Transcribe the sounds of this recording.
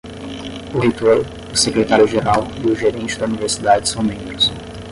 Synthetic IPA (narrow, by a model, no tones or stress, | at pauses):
ʊhet̪oɾ | ʊsekɾet̪aɾjʊʒeɾawiʊʒeɾẽnt͡ʃɪd̪ɐuniveɾsid̪ad͡ʒɪsɐ̃w̃mẽbeɾsõ